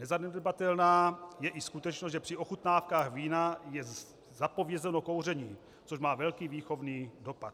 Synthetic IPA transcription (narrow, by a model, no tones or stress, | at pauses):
nɛzanɛddbat̪ɛlnaːjɛʔiskut̪ɛt͡ʃnosʒɛpr̥iʔo̞xut̪naːfkaːɣviːnajɛ | zapo̞vjɛzɛno̞ko̞wr̝ɛɲiː | t͡soʃmaːvɛlkiːviːxo̞vniːdo̞pat̪